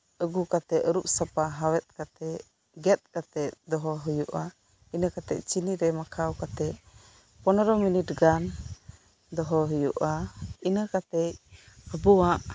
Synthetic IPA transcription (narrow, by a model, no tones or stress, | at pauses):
əɡukat̪ɛəɾup̚sapaɦawɛt̪̚kat̪ɛ | ɡɛt̪̚kat̪ɛtd̪ɔɦɔɦujuʔa | inəkat̪ɛ̰c̚t͡ʃiniɾɛmakʰawkat̪ɛ | pɔnɔɾɔminiʈɡan | d̪ɔɦɔɦujuʔainəkat̪ɛc̚ | həbuwaʔ